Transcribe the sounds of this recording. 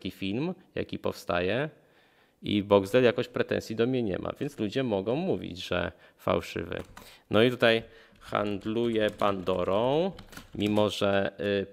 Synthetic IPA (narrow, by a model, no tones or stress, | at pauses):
kʲifʲilmja̰kʲipɔfst̪ajɛ | ḭbɔɡzd̪ɛljakɔɕpɾɛt̪ɛ̰̃nsʲjid̪ɔmɲɛɲɛ̰mʔa̰vʲjɛnt̪slud͡ʑɛmɔɡɔ̃w̃muvʲḭd͡ʑʐɛ̰ | fa̰wʂɘ̰vɘ̰nɔit̪ut̪aj | xa̰nd̪lujɛpand̪ɔɾɔ̃w̃mʲimɔʐɛ